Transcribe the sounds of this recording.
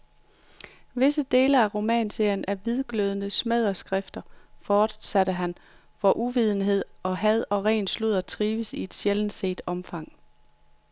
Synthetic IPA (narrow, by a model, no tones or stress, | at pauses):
ʋe̝səd̥e̝ːləæʁo̝mɛ̰ːnse̝ɐjənæɐʋið̞ˠɡ̥løð̞ˠənəsmeð̞ˠɐsɡ̥ʁɛfd̥ɐfɒːd̥sæɾ̥əɦæn | ʋɒʔuʋið̞ˠn̩ɦe̝ð̰ˠɒ̽ɦæð̞ˠɒ̽ʁɛ̰ːnsluð̰ˠɐt͡sʰʁiːʋəsie̝d̥ɕelən̩se̝̰ːd̥ɒ̽mfɑ̈ŋ̰